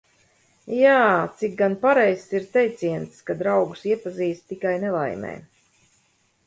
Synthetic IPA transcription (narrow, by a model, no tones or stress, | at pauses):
jaːt̪sik̚ɡanpaɾɛjssiɾt̪ɛjt̪siɛnt̪skad̪ɾawɡu̥siɛpaziːst̪t̪ikajnɛlˠa̰jmʲɛ̰ː